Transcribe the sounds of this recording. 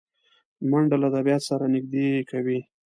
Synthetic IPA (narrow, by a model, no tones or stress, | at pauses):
maɳɖalaːd̪abjɑt̪saɾanɪɡ̚d̪ekʰawi